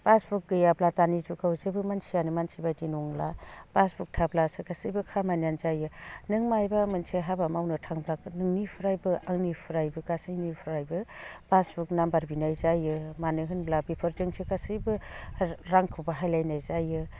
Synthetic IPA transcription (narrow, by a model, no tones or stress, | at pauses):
pasbuk̚ɡɯjablatanizukawzɯbɯmansijanɯmansʰibajdinɔŋlapasbuk̚tʰablasɯkasɯjbɯkʰamajnanzajɯnɯŋmajbamɯnseɦabamawnɯtʰaŋblaknɯŋnipʰɯɾajbɯʔaŋnipʰɯɾajbɯkasɯjnipʰuɾajbɯbasbuknambaɾbinajzajɯmanɯɦɯnblabipʰɯɾzɯŋsɯkasɯjbɯ | ɾaŋkʰɯbaɦajlajnajzajɯ